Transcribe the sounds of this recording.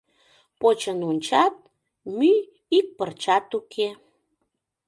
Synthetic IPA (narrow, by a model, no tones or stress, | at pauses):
pot͡ɕənunʲt͡ɕɑt̪̚ | my | ik̚pərt͡ɕɑt̪ukʰe